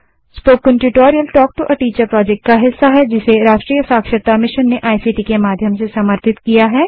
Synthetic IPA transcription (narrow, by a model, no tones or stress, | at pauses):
spoːkːə̃nʈuʈoːɾijəlʈɔːk̚ʈuʔɐʈiːt͡ʃəɾpɾɔːd͡ʒɛk̚ʈ̚kaɦɪsːaɦɛd͡ʒɪseɾaːʃʈɾiːjəsaːkʃəɾt̪amɪʃənːeʔaːjsiːʈiːkemaːd̪ʱjəmsesɐməɾt̪ʰɪt̪kijaɦɛː